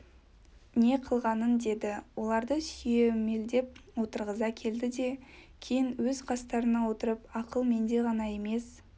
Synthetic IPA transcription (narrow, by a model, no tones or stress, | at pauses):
ne̞qʰəlˠʁɑnənd̪e̞d̪ɪwo̞lˠɑɾd̪əsʏjeme̞ld̪e̞p̚wo̞t̪əɾʁəzɑkʲʰe̞ld̪ɪd̪e̞kʲʰe̞jɪnwɵzqʰɑst̪ɑɾənɑwo̞t̪əɾəpɑqəlˠme̞nd̪e̞ʁɑnɑe̞me̞s